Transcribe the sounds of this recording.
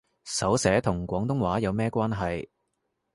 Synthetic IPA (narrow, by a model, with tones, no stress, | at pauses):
sɐ˨˥wsɛː˨˥t̪ʰʊ˨˩ŋkʷɔː˨˥ŋt̪ʊ˥ŋwaː˨˥jɐ˨˧wmɛː˥kʷwaː˥nɦɐ˨j